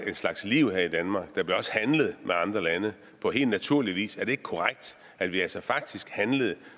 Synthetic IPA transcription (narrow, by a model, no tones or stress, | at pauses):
e̝nslɑ̈ɡ̥sliʊ̰heɐ̰id̥ænmɑ̈ːɡ̥d̥ɑ̈b̥liɐɒ̽shænləð̩ˠmʔeɑ̈nd̥ʁɐlænə | pʰɒ̽ɦe̝̰ːlnæt͡sʰuɐliʋḭːsæɐd̥e̝e̝ɡ̥ə̥kʰɒʁaɡ̥̚d̥ | æd̥ʋiælsɒfɑ̈ɡ̥̚d̥isɡ̥hænləð̞̩ˠ